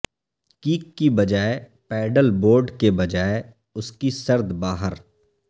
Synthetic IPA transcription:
kiːkːibɐd͡ʒaːe | pɛːɖəlboːɾɖkebɐd͡ʒaːe | ʊskisɐɾd̪baːɦəɾ

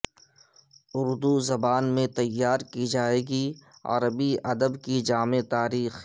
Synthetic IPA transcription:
ʊɾd̪uzɐbaːnmẽt̪ɐjːaːɾkid͡ʒaːeːɡiɐ̰ɾəbiɐd̪əbkid͡ʒaːmet̪aːɾiːx

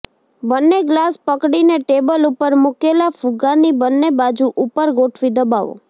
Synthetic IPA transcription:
ʋənːeɡlaspəkɽineʈebəlupəɾmukelafuɡanibənːebad͡ʒuʔupəɾɡoʈʰʋid̪əbaʋo̰

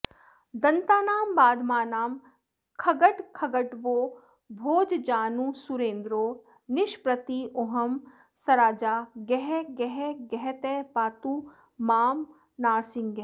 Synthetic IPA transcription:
d̪ɐ̃nt̪aːnaːmbaːd̪ʱmaːnaːm | kʰɐɡəʈkʰɐɡəʈʋoː | bʱoːd͡ʒd͡ʒaːnusuɾẽːnd̪ɾoː | nɪʃpɾɐt̪ioɦɐm | sɐɾaːd͡ʒaːɡɛɦɛɡɛɦɛɡɛɦɛt̪epaːt̪uː | maːm | naːɾsɪ̃ŋɡɡɛɦ

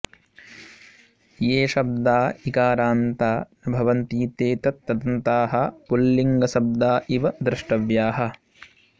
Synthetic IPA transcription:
jeːʃɐb̚d̪aːikaːɾaːnt̪aːnɐbʱɐʋɐnt̪iːt̪eːt̪ɐt̪ːɐd̪ɐnt̪aːɦɐpulːiŋɡɐsɐb̚d̪aːʔiʋɐd̪ɾɪʂʈɐʋjaːɦɐ

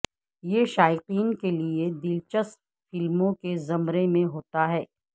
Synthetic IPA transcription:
jeʃaːɪqiːnkelied̪ɪlt͡ʃəst̪ | fɪlmõkezɐmɾemẽɦoːt̪aɦɛː

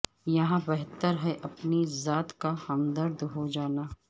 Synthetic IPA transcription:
jɐɦãbɛɦt̪əɾɦɛʔɐpnizaːt̪kahɐmd̪əɾd̪ɦod͡ʒaːnaː

